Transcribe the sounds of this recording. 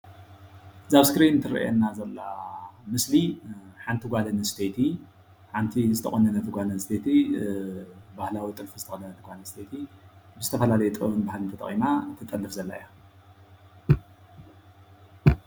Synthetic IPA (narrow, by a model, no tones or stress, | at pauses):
zaβskɾint̪ʰɨɾɐ̰ʔḛnːazɐlːamɨsliħant̪ʰiɡʷalɐnɨst̪ʰet̪ʰi | ħant̪ʰizɨt̪ʰɐ̰χʼonːɐnɐt̪ʰɨɡʷalɐnst̪ʰet̪ʰi | bahlawit̪ʼɨlfuzɨt̪ʰɐʔʼnɐnɐt̪ʰɨɡʷanɐst̪ʰet̪ʰibɨzɨt̪ʰɐfɐlalɐjɛt̪ʼɨɐnbahlɨnt̪ʰɐt̪ʼɐ̰χʼimat̪ʰɨt̪ʼɐlːɨfzɐlːa̰ja